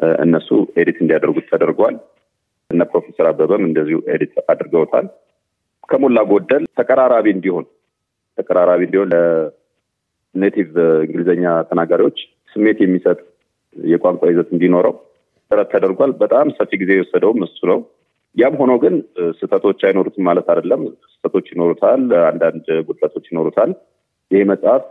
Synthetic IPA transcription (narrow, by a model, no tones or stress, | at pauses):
ʔɨ̰nːəsṵed̪it̪ɨnd̪ijad̪əɾɡut̪ʰːəd̪əɾɡal | ɨnːəpɾo̞fe̞səɾabːəβəmɨnd̪əzːihuʔḛd̪it̪ad̪əɾɡəwt̪ʰa̰l | kʰəmolːaɡod̪ːəlt̪ʰəkʼəɾaɾaβiɨnd̪iho̞n | t̪ʰəkʼəɾaɾaβiɨnd̪iho̞nlə | net̪ʰivɨŋɡɨlzəɲːat̪ʰənaɡaɾiwo̞t͡ʃː | sɨmːe̞t̪jɛmːisət̪ʼ | jɛkʼaŋkʼajɪzət̪ɨnd̪ino̞ɾəw | t̪ʼɨɾət̪t̪ʰːəd̪əɾɡʷalbət̪ʼamsəfːiɡize̞jɛwɔsːəd̪əwmɨsunəw | jamɦo̞nowɡɨnsɨt̪ʰət̪ʰo̞t͡ʃːajno̞ɾut̪ʰmːalət̪ad̪əlːəmsɨ̥t̪ʰət̪ʰo̞t͡ʃːjɪno̞ɾut̪ʰaland̪and̪ɡud̪lat̪ʰo̞t͡ʃːjɪno̞ɾut̪ʰal | jɪheməsʼaf